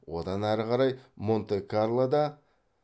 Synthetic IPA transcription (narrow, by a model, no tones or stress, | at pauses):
wo̞d̪ɑnæɾəqɑɾɑjmo̞nt̪ekaɾlˠad̪ɑ